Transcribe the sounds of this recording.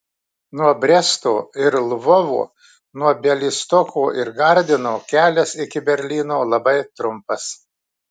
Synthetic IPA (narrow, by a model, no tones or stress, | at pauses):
nuɔbʲɾʲɛst̪o̰ːɪɾlˠʋɔʋṵː | nuɔbʲɛlʲiːst̪ɔkuːʔɪɾɡɐɾʲd̪ʲɪnoːkʲæːlʲɛsɪkʲɪbʲɛɾʲlʲiːnoːlˠɐbɐɪt̪ɾʊmpɐs